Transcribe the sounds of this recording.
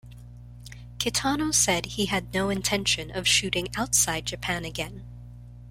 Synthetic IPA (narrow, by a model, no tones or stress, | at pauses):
kʰɨtʰɑnoʊsɛd̚iɨdⁿnoʊɨ̃ntʰɛ̃nʃɨ̃nʌv̥ʃʉɾɪ̃ŋaʊtsaɪd̚d͡ʒɨpʰæ̃nɨɡɛ̃n